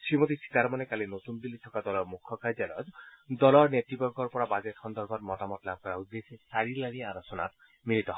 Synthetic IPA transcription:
ʃimot̪isi̥t̪aɾmɔnekalenot̪unb̪ilːit̪ʰɔkad̪ɔlɔɾmukʰːɔkad͡ʒalɔtd̪ɔlɔɾnet̪ibɔɾɡʱɔɾpɔɽabad͡ʒethʰɔnd̪ɔɾbʱɔɾmɔʈamɔʈlab̚kɔɾaud̪ːesesaɾilaɽ̃iaɾɔt͡ʃɔna̰ɾ | miɾit̪ɔɦɔ

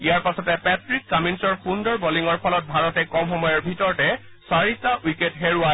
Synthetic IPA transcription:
ijaɹpasɔtɛpɛtɹikːaminsɔɹxundɔɹbɔliŋɔɹpʰɔlɔt̚bʱaɹɔtɛkɔmxɔmɔjɔɹbʱitɔɹtɛ | saɹitaʔujketɦeɹʊa

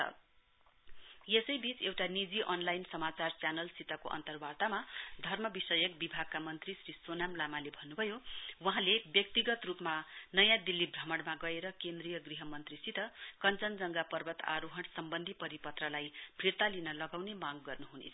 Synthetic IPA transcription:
jesʌjbit͡sewʈanid͡ziʔʌnlajnsʌmat͡sart͡sjanʌlsit̪ʌko̰ʔʌ̰nt̪ʌrbat̪amad̪ʱʌrmʌbisʌjʌkbibʱaɡ̚kamʌnt̪risrisonamlamalebʱʌnːubʱʌjowʌɦãlebjʌk̚t̪iɡʌt̪rupmanʌjãd̪ilːibʱrʌmʌɽmaɡʌeɾʌkend̪rijʌɡriɦʌmʌnt̪risit̪ʌkʌnt͡sʌnd͡zʌŋɡapʌrbʱʌt̪a̰ɾuɦʌnsʌmbʌnd̪ʱipʌɾipʌt̪rʌlajpʰirt̪alinʌlʌɡawnemaɡːʌrnuɦunḛt͡sʰ

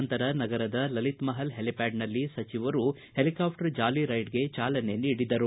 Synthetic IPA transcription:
nt̪ɐɾɐnɐɡɐɾɐd̪ɐlɐlit̪mɐɦɐlɦelipaːɖnɐlːisɐt͡ʃiʋɐɾu | he̞likaːpʰʈɐɾd͡ʒaːliɾɐjʈɡe̞t͡ʃaːlɐne̞niːɽid̪ɐɾu

